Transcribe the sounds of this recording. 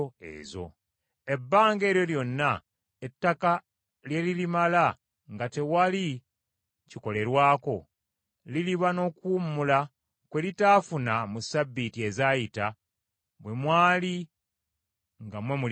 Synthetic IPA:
ḛːzo̞̰ | e̞bːaːŋɡe̞ːɾjo̞ljo̞nːa | etːaka | lje̞lilimala | ŋɡate̞wali | ciko̞le̞ɾwaːko̞ | liliβano̞ːkuːmːula | kwe̞litaːfunamusabːitie̞zaːjita | βwe̞mwaːli | ŋɡamwe̞mul

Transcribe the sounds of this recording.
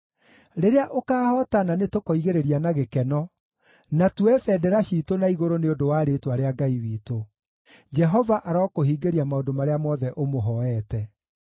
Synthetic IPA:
ɾeɾeaʔokaːhɔːtananetokɔiɣeɾeɾianaɣekɛnɔ | natuɛfɛdɛɾaɕiːtonaiɣoɾoneodowaːɾetwaɾeaɡaiwiːto | d͡ʒɛɦɔvaʔaɾɔːkoɦiːɡeɾiamaodomaɾeamɔðɛʔomoɦɔɛtɛ

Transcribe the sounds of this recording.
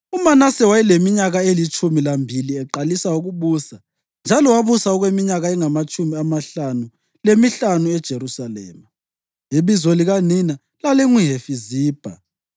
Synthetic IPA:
umanasɛwajilemiɲaɣaelit͡ʃʼumilambʱiliɛǃalisauɣuβuːsa | nd͡ʒʱalɔwaβusaɔɣwemiɲaɣaɛŋamat͡ʃʼumiamaɬanu | lemiɬanuɛd̥ʒ̥ʱeɾusalɛ̰ːma | iβizɔliɣanina | lalɛŋwiɦefiziːb̥ʱa̰

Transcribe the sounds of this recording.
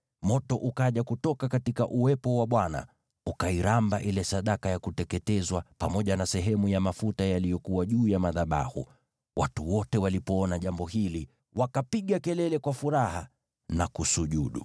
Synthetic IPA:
mɔtɔʔukaʄakutɔkakatikaʔuwɛpɔwaɓwana̰ | ukaiɾambaʔilɛsaɗakajakutɛkɛtɛzwapamɔʄanasɛɦɛmujamafutajalijɔkuwaʄuːjamaðaɓa̰hṵ | wʔatuwɔtɛwalipɔɔnaʄambɔhili | wakapiɠakɛlɛlɛkwafuɾaha | nakusuʄuɗṵ

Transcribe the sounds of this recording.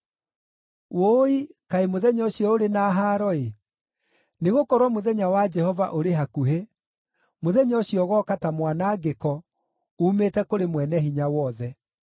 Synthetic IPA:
woikaemoðɛɲɔɕijɔoɾenaːɦaɾɔe | neɣokɔɾwamoðɛɲawad͡ʒɛhɔva̰ʔoɾeɦakuɦe | moðɛɲɔɕiɔɣɔkatamwanaːɡekɔ | umeːtɛkoɾemwɛnɛɦiɲawɔðɛ

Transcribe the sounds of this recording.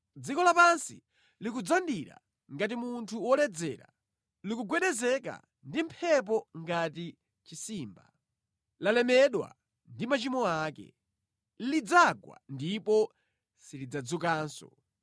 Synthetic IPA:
d͡zikɔlapansi | lik̬ud͡zandiɾa̰ | ŋɡat̬imuntʰuwɔlɛd͡zɛːɾa̰ | likuɡwɛɗɛzɛka̰ | ndim̩pʰɛp̬ɔŋɡati | t͡ʃisiːmba | lalɛmɛɗwa̰ | ndimat͡ʃimɔaːkɛ̰ | lid͡zaɡwa̰ndipɔ | silid͡zad͡zukaːnsɔ̰

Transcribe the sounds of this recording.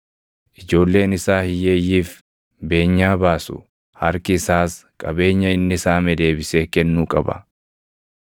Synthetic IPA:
ʔɪd͡ʒo̞ːlːe̞ːnɪsaːhɪjeːjːiːf | be̞ːɲːaːbaːsʊ̰ | hɐɾkɪːsaːskʼɐbe̞ːɲːɐɪnːɪsaːmɛd̪e̞ːbɪseːkɛnːuːkʼɐbɐ̰

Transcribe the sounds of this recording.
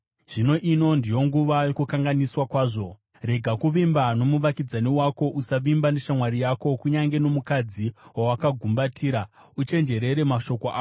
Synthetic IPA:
ʐ̥ino̞ʔino̞ndijo̞ŋɡuʋajokukaŋɡaniswakwaːʐo̞ | re̞ɡʱakuʋimbano̞muʋakid͡zaniwako̞ʔusaʋimbane̞ʃamwaɾijako̞kuɲaŋɡe̞no̞mukad͡ziwawakaɡʱumbatʰiːɾa | ut͡ʃe̞nd͡ʒe̞ɾe̞ɾe̞maʃo̞ko̞a̰ː

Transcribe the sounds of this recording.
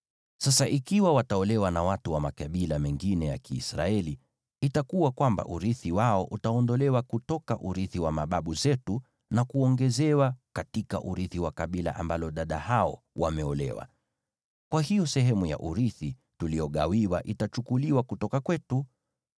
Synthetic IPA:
sasaʔikiwawataɔlɛwanawatuwamakaɓilamɛŋɡinɛja̰kḭːsɾa̰ɛli | itakuwakwamba̰ʔuɾiθiwaɔʔutaɔndɔlɛwakutɔkaʔuɾiθiwamaɓaɓuzɛtu | nakuɔŋɡɛzɛwakatika̰ʔuɾiθiwakaɓila̰ʔa̰mbalɔɗaɗahaɔ̰ | wa̰mɛɔlɛ̰wa̰ | kwahijɔsɛɦɛmuja̰ʔuɾiθi | tulijɔɠawiwaʔitat͡ʃukuliwakutɔkakwɛtu

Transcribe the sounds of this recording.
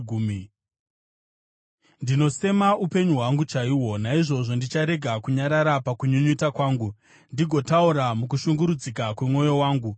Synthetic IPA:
uːmi | ndino̞se̞maupe̞ɲuɦwaŋɡut͡ʃaiːwo̞naiʐo̞ʐo̞ndit͡ʃaɾe̞ɡʱakuɲaɾaɾapakuɲuɲutakwaːŋɡu | ndiɡʱo̞tauɾamuk̬uʃuŋɡuɾud͡zikakwe̞mŋo̞jo̞waːŋɡu

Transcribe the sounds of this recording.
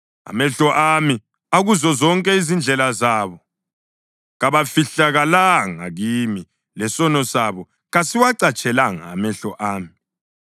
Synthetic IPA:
a̰mɛɬɔʔami | aɣuzɔzɔŋkʼɛizind͡ɮʱɛlazaːβɔ | ɣaβafiɬaɣalaŋa̰ɣimi | lɛsɔnɔsaβɔ | ɣasiwaǀat͡ʃʼɛlaŋa̰ːmɛɬɔʔaːmi

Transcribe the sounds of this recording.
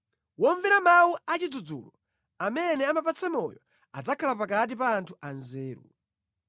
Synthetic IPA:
wɔɱvɛɾamawuat͡ʃid͡zud͡zṵlɔ | amɛnɛamapat͡sɛmɔ̰jɔ | ad͡zakʰalapakat̬ipaːntʰuʔanzɛːɾṵ

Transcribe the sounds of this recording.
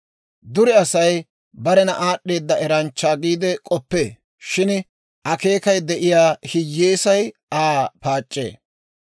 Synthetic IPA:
d̪ʊɾɛɐsɐj | bɐɾɛnɐʔaːɗːe̞ːd̪ːɐʔɛɾɐnt͡ʃːaːɡiːd̪ɛkʼɔpːeː | ʃɪn | ʔɐke̞ːkɐjd̪ɛʔɪjaːhɪjːeːsɐjaːpaːt͡ʃʼːḛː

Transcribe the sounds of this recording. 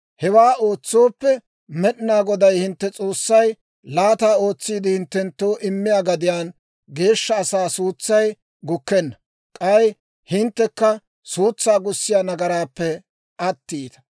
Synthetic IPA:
hɛwaːo̞ːt͡sːo̞ːpːɛ | mɛɗɪnaːɡɔd̪ɐjhɪnt̪ːɛt͡sʼo̞ːsːɐj | laːt̪aːo̞ːt͡sːiːd̪ɪhɪnt̪ːɛnt̪ːo̞ːʔɪmːɪjaːɡɐd̪ɪjaːn | ɡe̞ːʃːɐːsaːsuːt͡sːɐj | ɡʊkːɛnːɐ | kʼɐj | hɪnt̪ːɛkːɐ | suːt͡sːaːɡʊsːɪjaːnɐɡɐɾaːpːɛ | ɐt̪ːiːt̪ɐ̥

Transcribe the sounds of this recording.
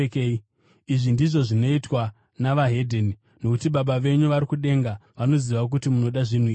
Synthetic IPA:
kei | iʐindiʐo̞ʐino̞itwa | naʋaɦe̞dʱeni | no̞kutiɓaɓaʋe̞ɲuʋaɾikuɗe̞ŋɡaʋano̞ziʋak̬utimuno̞ɗaʐin̤uiːi

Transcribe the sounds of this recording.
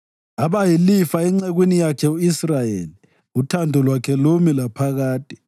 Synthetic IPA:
aβajilifaɛŋ͡ǀɛɣwinijakʰɛuisrajeːli | utʰandʱɔlwakʰɛlomilapʰaɣaːtʼi̥

